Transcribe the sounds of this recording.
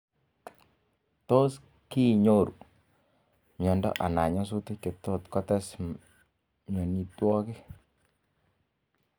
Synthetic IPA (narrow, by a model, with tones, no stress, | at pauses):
to˦s | ki˦˨ɲo˦˨ɾṵ˨ | mjɔ˨ndɔ̰˦ʔa̰˨na˨ɲɔ˦s̬u˦ti˦ke˨t̪o˦˨t̪kɔ˦tɛ˦s | mjɔ˨ni˨twɔ˦kɪ˦